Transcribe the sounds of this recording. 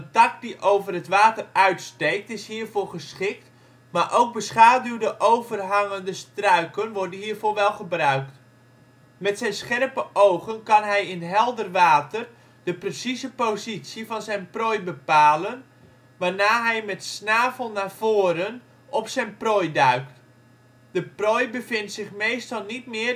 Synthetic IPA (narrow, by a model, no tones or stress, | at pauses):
əntɑk̚diʔowvərətʋaːtərœɥtstejk̚tɪshɦiːrvoːrχəsχɪk̚t | maːɹʔowk̚bəsχaːdywdəʔowvərɦɑŋəndəstrœɥkənʋɔɹdənɦiːrvoːɹʋɛlˠχəbrœɥkt | mɛtsɛjnsχɛrpəʔowχənkɑnɦɛjɪnɦɛlˠdərʋaːtər | dəprəsizəpozitsjəvɑnzɛjnprɔjbəpaːlən | ʋaːnaːɦɛjmɛtsnaːvəlˠnaːv̥oːɾən | ʔɔpsɛjnprɔjdœɥkt | d̥əprɔjbəvɪntsɪχmejstɑlˠnitmɪː